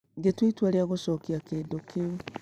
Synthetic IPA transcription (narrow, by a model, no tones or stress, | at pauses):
ɡetwitwaɾeaɣosɔkiakeːdokʰeu